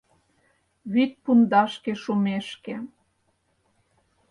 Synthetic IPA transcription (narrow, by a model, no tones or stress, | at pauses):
βyt̪̚pund̪ɑʃkeʃumeʃkĕ